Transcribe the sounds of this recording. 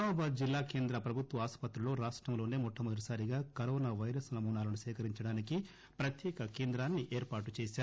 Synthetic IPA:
aːbaːd̪̚d͡ʒilːaːke̞ːnd̪ɾɐpɾɐbʱut̪ʋɐaːspɐt̪ɾulo̞ːɾaːʂʈɾɐmlo̞ːneːmɔʈʰːɐmɐd̪ɾisaːɾiɡaːkɐɾoːnaːʋɐjɾɐsnɐmuːnaːlɐnusɛːkɐɾiɲt͡ʃɐɽaːniki | pɾɐt̪jɛːkɐkeːnd̪ɾaːnːiʔeːɾpaːʈut͡ʃeːsaːɾu

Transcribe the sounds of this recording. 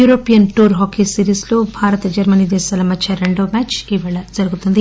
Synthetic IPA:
uːɾoːpijɐnʈuːɾɦoːkesiɾiːslo̞ːbʱaːɾɐt̪ɐd͡ʒɐɾmɐniːd̪ɛːʃaːlɐmɐt͡ʃʰːɐɾeɳɖoːmaːt͡ʃiːʋaɭɐd͡ʒɐɾuɡut̪und̪i

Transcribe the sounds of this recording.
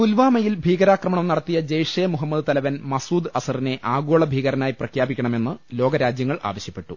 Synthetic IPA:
t̪ulʋaːmɐjilbʱiːɡɐɾaːkrɐmɐɳɐmnɐɽɐt̪ːijɐd͡ʑejʂeːmuɦɐmːɐd̪ɨt̪ɐlɐʋɐnmɐsuːd̪ɐsɐrine̞ʔaːɡoːɭɐbʱiːɡɐɾɐnaːjprɐkʰjaːbikʲːɐɳɐme̞nːɨlo̞ːɡɐɾaːd͡ʑjɐŋːɐɭʔa̰ːʋɐɕjɐpːe̞ʈːu

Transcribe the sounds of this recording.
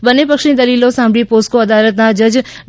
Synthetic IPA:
bənːepəkʃnĩd̪əlilosãmbɭiposkoəd̪alət̪nad͡ʒəd͡ʒ

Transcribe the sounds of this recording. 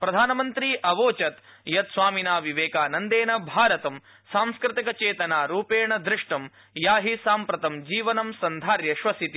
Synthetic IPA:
pɾɐd̪ʱaːnɐmɐnt̪ɾiʔɐʋoːt͡ʃɐt̪ | jɐt̪sʋaːminaːʋiʋeːkaːnɐnd̪eːɳɐbʱaːɾɐt̪ɐm | saːmskɾɪt̪ikɐt͡ʃeːt̪ɐnaːɾuːpeːɳɐd̪ɾɪʂʈɐm | jaːɦisaːmpɾɐt̪ɐmd͡ʒiːʋɐnɐmsɐnd̪ʱaːɾjɐʃʋɐsit̪i

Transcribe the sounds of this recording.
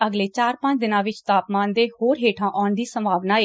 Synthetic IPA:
əɡleːt͡ʃaːɾpə̃ɲt͡ʃd̪ɪnãːʋɪt͡ʃt̪aːpmaːnd̪eːhoːɾɦeːʈʰãːʔaːɳd̪iːsəmbʱaːʋnaːeː

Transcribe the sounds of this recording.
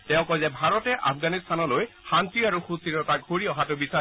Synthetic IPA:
tɛʊ̃kɔjzɛbʱaɹɔtɛʔa̰pʰɡanistʰanɔlojxantɹiaɹuxusiɹɔtaɡʱoɹiɔɦatʊbisa

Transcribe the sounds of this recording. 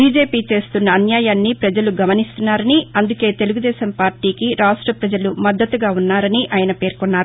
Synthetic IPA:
bʱiːd͡ʒe̞ːpiːt͡ʃe̞ːst̪unːɐːnjaːjaːnːipɾɐd͡ʒɐluɡɐmɐnist̪unːaːɾɐniɐnd̪uke̞ːt̪e̞luɡud̪ɛːʃɐmpaːɾʈiːkiɾaːʂʈɾɐpɾɐd͡ʒɐlumɐd̪ːɐt̪uɡaːunːaːɾɐniʔaːjɐnɐpe̞ːɾkɔnːaːɾu

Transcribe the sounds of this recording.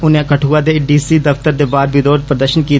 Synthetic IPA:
ʊnẽkəʈʰuːad̪eɖiːsiːd̪ɐft̪əɾd̪eːbaːɾbʱid̪oːɾpɾəd̪əʃənkiː

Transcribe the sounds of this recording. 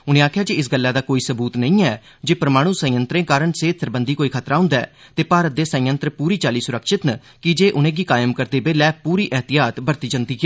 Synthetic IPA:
ʊnẽːaːkʰjaːd͡ʒiɪsɡəlːaːd̪aːkoːiːsəbuːt̪nəĩːɛː | d͡ʒeːpɾmaːɽ̃ũːsə̃jənt̪ɾẽːkaːɾəɳseːt̪ʰsəɾbənd̪iːkoːiːkʰət̪ɾaːɦʊ̃nd̪aɛːt̪eːpaːɾət̪̚d̪eːsə̃jə̃nt̪ɾpuːɾiːt͡ʃaːliːsʊɾəkʃɪt̪nə | kɪd͡ʒeːʔʊnẽːɡiːkaːjmkəɾd̪eːbeːlɛːpuːɾiːʔɛɦt̪ɪjaːt̪bəɾt̪iːd͡ʒənt̪iːkɪɛː

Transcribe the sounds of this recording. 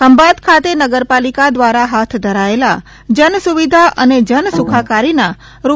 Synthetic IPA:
kəmbad̪kʰat̪enəɡəɾpalikad̪ʋaɾaɦat̪ʰd̪ʱəɾaela̰ | d͡ʒənsuʋid̪ʱaʔəned͡ʒənsukʰakaɾina | ɾu

